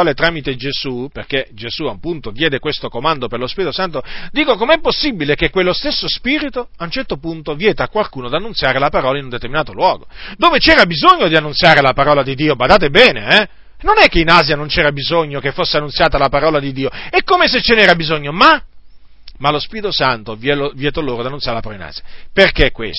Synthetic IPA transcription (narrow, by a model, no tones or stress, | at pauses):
ɔːlet̪ɾaːmit̪ed͡ʒez̥uperked͡ʒez̥uaumpunt̪od̪jɛːd̪ekwest̪okomand̪operlospiːɾit̪osant̪od̪iːkokomeɛpːosːibilekekwelːost̪esːospiːɾit̪oaunt͡ʃɛrt̪opunt̪ovjɛːt̪aːkwalkuːnod̪anːunt̪sjaːɾelapaɾɔːlainund̪et̪erminaːt̪olwɔːɡod̪oːvet͡ʃɛːɾabizoɲːod̪ianːunsjaːɾelapaɾɔːlad̪id̪iːobad̪aːt̪̬ebɛːneɛ | nonɛkːeinaːzjanõnt͡ʃɛːɾabizoɲːokefːosːeanːunsjaːt̪alapaɾɔːlad̪id̪ːiːoɛkːomeset͡ʃːenɛːɾabizoɲːoma | malospiːɾit̪osant̪ovjɛlovjɛːt̪oloːɾod̪ianunsjaɾelapaɾɔlina̰ːzjaperkekːwḛs